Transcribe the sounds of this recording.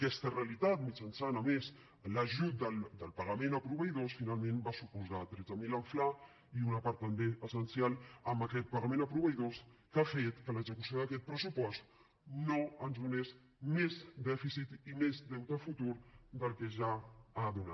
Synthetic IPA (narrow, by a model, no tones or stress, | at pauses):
kɛst̪əreəlit̪at̪mit͡ʃənsanəmes | ləʒut̪̚d̪əld̪əlˠpəɾləmenəpɾuβəjðosfinalˠmenbasupuzat̪ɾɛd͡zəmiləɱfla | iunəpaɾt̪ːəmbeəsənsialˠəmbəkɛt̪̚pəɣəmẽnəpɾuβəjðoskafet̪kələɡzəkusioðəkɛt̪̚pɾəsupɔst̪ | noənzðunes | mezd̪ɛfisit̪imezd̪ɛwt̪əfut̪uɾd̪əlˠkeʒaːðuna